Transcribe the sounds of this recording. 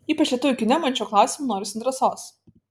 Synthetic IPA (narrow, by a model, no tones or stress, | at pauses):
iːpɐt͡ʃʲlʲɛt̪ʊʋʲʊkʲɪnʲɛmɐnʲt͡ʃʲoːklˠɑˑʊsʲɪmunoːɾʲɪsʲɪnd̪ʲɾʲɛsoːs